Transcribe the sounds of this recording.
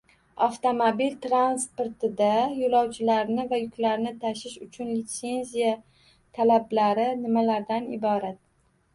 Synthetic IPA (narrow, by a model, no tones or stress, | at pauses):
aft̪omobilt̪ɾanspoɾt̪ɪd̪ajolɒwt͡ʃʰɪlaɾnɪvajʊkʲlaɾnɪt̪ʰaʃɪʃʊt͡ʃʰʊnlit̪se̞nzija | t̪ʰalablaɾɪnɪmalaɾd̪anɪbɒɾat̪̚